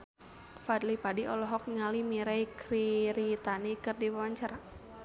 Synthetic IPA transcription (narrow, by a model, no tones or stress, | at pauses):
fad̪lipadiʔɔlɔɦɔk̚ɲalimiɾaikɾiɾit̪anikɨrdiwawaɲt͡ʃaɾa